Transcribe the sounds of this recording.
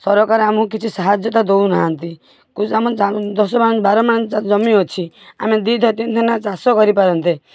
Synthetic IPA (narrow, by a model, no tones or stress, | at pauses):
sɔɾɔkaɾamũkit͡ʃʰisaɦad͡ʒjɔt̪ad̪ounaɦãnt̪i | kusamɔad̪ɔsɔmaɽɔnbaɾɔmaɽ̃ɔd͡ʒɔmiɔt͡ʃʰi | a̰med̪id̪ʱɔt̪int̪ʰɔnat͡ʃasɔkɔɾipaɾɔnt̪e